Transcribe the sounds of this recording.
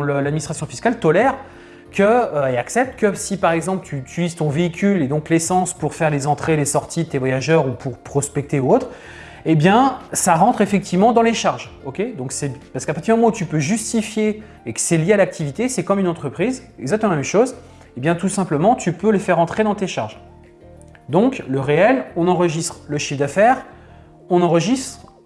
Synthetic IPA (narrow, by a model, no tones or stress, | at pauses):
ləlad̪minist̪χasjɔ̃fiskalt̪ɔlɛʁ | kʰəøɛaksɛp̚t̪kəsipaʁɛɡzɑ̃plət̪ʰyt̪ylizt̪ɔ̃veikʲyled̪ɔ̃klesɑ̃spuʁfɛʁlezɑ̃t̪χelesɔʁt̪id̪ət̪evwajaʒœʁupʰuʁpχɔspɛk̚t̪euot̪χ | ebjɛ̃saʁɑ̃t̪χefɛk̚t̪ʰivmɑ̃d̪ɑ̃leʃaʁʒɔkʲed̪ɔ̃ksɛpaʁsə̥kapaχt̪idmmɑ̃ut̪ypøʒyst̪ifjeː | kə̥sɛljealak̚t̪ʰivit̪esɛkɔmynɑ̃t̪χəpχizɛɡzak̚t̪əmɑ̃mɛmʃoz | ebjɛ̃t̪usɛ̃pləmɑ̃t̪ypøləfɛʁɑ̃t̪χed̪ɑ̃t̪eʃaʁʒ | d̪ɔ̃kləʁeɛlɔ̃nɑ̃ʁəʒist̪χləʃifd̪afɛʁ | ɔ̃nɑ̃ʁəʒist̪χ